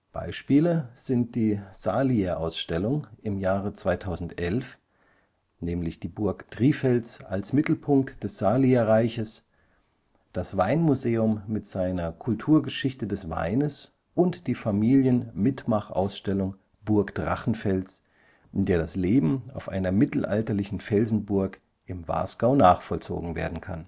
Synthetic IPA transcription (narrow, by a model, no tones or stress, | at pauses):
b̥a̰ɪʃpiːləz̥ɪnt̚d̥iːz̥aːliɐʔaʊsʃtɛlʊŋɪmjaːʁət͡sv̥aɪtʰaʊzn̩tʔɛlf | nɛːmlɪçd̥iːbʊɐkd̥ʁ̥iːfɛlt͡sa̰lsmɪtl̩pʰʊŋk̚td̥ɛsz̥aːliɐʁaɪçəs | d̥asv̥aɪnmuzeːʊmːɪtz̥aɪnɐkʰʊltʰuːɐɡəʃɪçtədɛsva̰ɪnəs | ʔʊntd̥iːfamiːljənmɪtmaχʔa̰ʊsʃtɛlʊŋ | b̥ʊɐkd̥ʁa̰χn̩fɛlt͡s | ʔɪndeːɐɾasleːbm̩a̰ʊfʔa̰ɪnɐmɪtl̩ʔa̰ltɐlɪçn̩fɛlzn̩bʊɐk | ʔɪmva̰ːsɡ̥aʊnaːχfɔlt͡so̰ːɡŋ̩vḛːɐdn̩kʰan